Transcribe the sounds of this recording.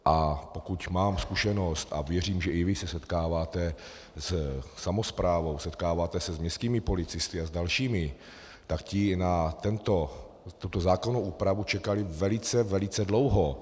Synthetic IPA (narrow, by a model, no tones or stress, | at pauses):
ʔapokucmaːmskuʃɛno̞st̪a̰vjɛr̝iːmʒɛʔɪvɪsɛsɛt̪kaːvaːt̪ɛ | ssamospɾaːvo̞wsɛt̪kaːvaːt̪ɛsɛzmɲɛst̪kiːmɪpo̞lɪt͡sɪst̪ɪazdalʃiːmɪ | t̪akcɪnat̪ɛnt̪o | t̪ut̪ozaːkonowʔuːpɾavut͡ʃɛkalɪvɛlɪt͡sɛvɛlɪt͡sɛdlo̞wɦo